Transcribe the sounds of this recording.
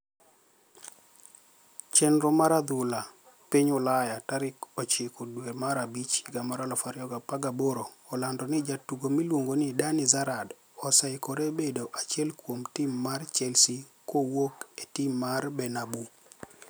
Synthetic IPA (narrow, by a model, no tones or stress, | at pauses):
t͡ʃɛnɾɔmaɾad̪ʊla | piɲʊlajataɾɪkɔt͡ʃɪkɔdwemaɾabit͡ʃɡamaɾalɔfaɾɪɔɡapaɡaboɾoːlandɔnɪd͡ʒatuɡomilwoŋɡonidanizaɾad | ɔsaɪkɔɾebedoʔat͡ʃɛlkwomtimːart͡ʃɛlsi | kowoketimːarbɛnabu